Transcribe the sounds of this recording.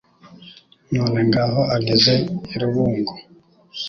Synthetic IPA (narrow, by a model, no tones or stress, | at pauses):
noːne̞ŋɡaːɦo̞aɡeze̞iɾuβuːŋɡo